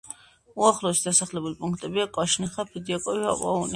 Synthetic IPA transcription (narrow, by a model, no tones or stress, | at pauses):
uaχlɔɛsd̪asaχlɛbulipʼũŋk̚ʰʼt̪ʼɛbiakʼaʃniχapʰid̪iakʼɔvia̰pʼa̰uni